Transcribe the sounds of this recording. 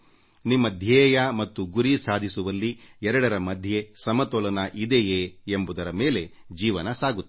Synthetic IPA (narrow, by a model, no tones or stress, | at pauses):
nimːɐd̪ʱjɛːjɐmɐt̪ːuɡuɾisaːd̪ʱisuʋɐlːiɛɾɐɽɐɾɐmɐd̪ʱje̞sɐmɐt̪ɔlɐnɐʔid̪ejeːembud̪ɐɾɐmeːle̞d͡ʒiːʋɐnɐsaːɡut̪ː